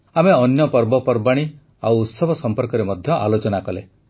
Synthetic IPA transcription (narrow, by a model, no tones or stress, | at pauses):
ameɔnjɔpɔɾbɔpɔɾbaɽ̃i | awːt̪sɔbʱɔsɔmpɔɾkɔɾemɔd̪ʱjɔʔalot͡ʃɔnakɔle